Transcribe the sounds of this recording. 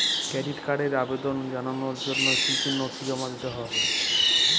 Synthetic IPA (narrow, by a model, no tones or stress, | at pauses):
kɾɛɖiʈkaɖeɾabed̪ond͡ʑananoɾd͡ʑonːokitʰinːot̪ʰid͡ʑɔmad̪it̪oɦɔbe